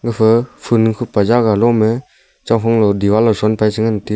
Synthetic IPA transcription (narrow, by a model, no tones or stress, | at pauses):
ɡɯpʰɯpʰɯnɯkʰɯpazaɡalɔme | t͡ʃawfʰɔŋlɔdiwalɔsɔnpʰajsɯŋanti